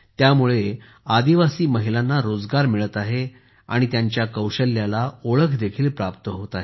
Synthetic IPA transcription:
t̪jamuɭe | ad̪iʋasiːməɦilanːaɾod͡zɡaɾmiɭət̪aɦe | a̰ɽ̃it̪jaɲt͡ɕjakəwɕəlːjalaoɭəkʰd̪ekʰiːlpɾapt̪əɦot̪aɦe

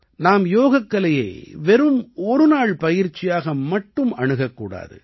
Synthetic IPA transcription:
naːmjoːɣɐkːɐɭɐjḛːʋɛɾɯmɔɾɯnaːɭpɐjɪɾt͡ʃɪjaːɣɐmɐʈːɯmɐɳɯɣɐkːṵːɽa̰ːðɯ̰

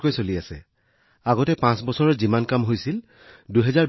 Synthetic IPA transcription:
kojsoliasɛ̰ | aɡɔtɛpãsbɔsɔɹɔɹzimankamɦojsil | duɦɛzaɹ

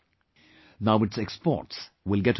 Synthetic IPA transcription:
naʊɪʈsɛkspɔ̰ʈs | wɪlɡɛt

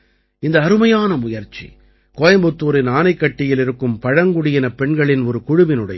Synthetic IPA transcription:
ɪnd̪ɐːɾɯmɐjaːnɐmʊjɐɾt͡ʃːḭ | koːjɐmbɯt̪ːuːɾɪnaːnɐɪkːɐʈːɪjɪlɪɾɯkːɯmpɐɻɐŋɡʊɽɪjɪnɐpɛɳɡɐɭɪnɔɾɯkʊɻʊʋɪnɯɽɐ̰

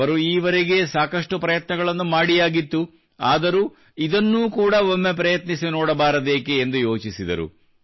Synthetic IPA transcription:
ɐɾuiːʋɐɾeɡe̞saːkɐʂʈupɾɐjɐt̪nɐɡɐɭɐnːumaːɽijaːɡit̪ːu | aːd̪ɐɾu | id̪ɐnːuːkuːɽɐomːe̞pɾɐjɐt̪nisinɔːɽɐbaːɾɐd̪eːkeːnd̪ujo̞ːt͡ʃisid̪ɐ̰ɾṵ

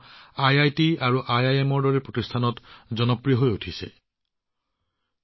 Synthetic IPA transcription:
ajajtiaɹuʔajajemɔɹdɔɹɛpɹotistʰanɔtzɔnɔpɹijɔɦojotʰisɛ̰

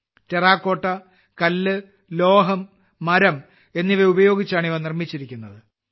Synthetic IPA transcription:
teraːkːo̞ːʈːɐ | kɐlːɨ | lo̞ːɦɐmː | ɐɾɐm | e̞nːiʋɐubɐjo̞ːɡit͡ɕːaːɳiʋɐnirmit͡ɕːiɾikʲːunːɐðɨ

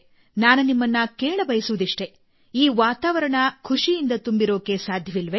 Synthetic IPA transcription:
naːnɐnimːɐnːɐkeːɭɐbɐjɐsuʋud̪iʂʈe̞ | iːʋaːt̪aːʋɐɾɐɳɐkʰuʂijind̪ɐt̪umbiɾo̞ːke̞saːd̪ʱjɐʋilʋe

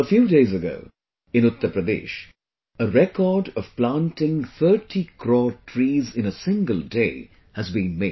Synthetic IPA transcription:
əfjuːdeɪzəɡo̰ʊ | ɪ̃nʊt̪ːəɾpɾəd̪ḛːʃ | əɾɛkɔːɖʌv̥plãnʈɪ̃ŋθəɾʈʰikʰɾɔːʈʰɾiːzɪ̃nəsɪ̃ŋɡəlˠdeɪ | hɨzbĩːnmeɪ̥

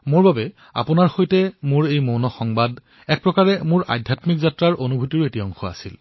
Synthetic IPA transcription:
mʊɹbabɛ | a̰pʊnaɹxojtɛmʊɹejmownɔxɔŋbad | ɛk̚pɹɔkaɹɛmʊɹʔa̰dʱjatmikzatɹaɹʔonubʱutiɹetiɔŋxɔa̰sil

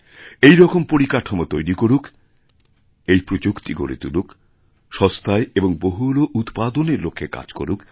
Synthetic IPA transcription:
ejɾɔkompoɾikaʈʰomot̪ojɾikoɾuk | ejpɾod͡ʑukt̪iɡo̰ɾḛt̪ṵluk | ʃɔst̪ʰaeeboŋboɦuloʔut̪pad̪oneɾlokʰːeka̰d͡ʑko̰ɾuk

